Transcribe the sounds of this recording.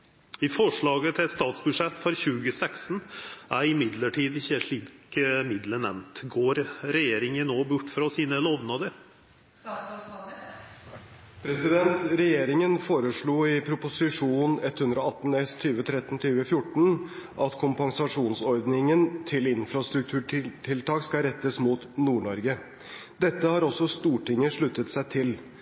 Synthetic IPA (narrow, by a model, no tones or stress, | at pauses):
ɪfɔʂɭɑːɡət̪ʰɪst̪ɑːt̪sbʉʂɛt̪ːfɔɾçʉːɡəsɛksnʔæɾɪmɪd̪ləʈʰiːd̪ɪçːəʂɭiːkmɪd̪ləɳɛ̰nnt̪ɡoːɾɾɛjeːɾɪŋənːoːbʊʈːfɾɑsiːnəlɔʋnɑd̪əɾ | pʰɾɛsɪd̪ɛnt̪ɾɛjeːɾɪŋənfoːɾəʂɭuːɪpʰɾʊpʊsɪʂuːnɛt̪ːhʉnd̪ɾɔɑt̪ːn̩ɛst̪ʰyːʋət̪ʰɾɛt̪ːn̩t̪ʰyːʋəfjʊʈːɳ̩ʔɑt̪kʰʊmpɑŋsɑʂuːnsɔɾd̪nɪŋənt̪ʰɪlɪnfɾɑst̪ɾʉk̚t̪ʰʉːʈɪʈʰɪlt̪ʰɑːkskɑɾɛt̪ːəsmuːt̪nuːɳɔɾɡə | d̪ɛt̪ːəhɑɾɔsːɔst̪uːʈɪŋːəʂɭʉt̪ːət̪sæɪt̪ʰɪl